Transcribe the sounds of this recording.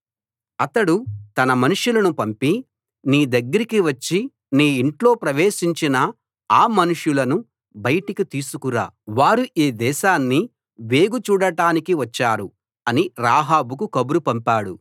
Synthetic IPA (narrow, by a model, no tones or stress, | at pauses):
ɐt̪ɐɽut̪ɐnɐmɐnuʂulɐnupɐmpi | niːd̪ɐɡːɐɾikiʋɐt͡ʃːi | niːɳʈlo̞ːpɾɐʋeːʃiɲt͡ʃinɐ | aːmɐnuʂjulɐnu | bɐjɐʈikit̪iːsukuɾa̰ːʋaːɾuʔiːd̪ɛːʃaːnːi | ʋe̞ːɡut͡ʃuːɽɐʈaːnikiʋɐt͡ʃːaːɾu | ɐniɾaːɦaːbuk̬ukɐbuɾupɐmpaːɽṵ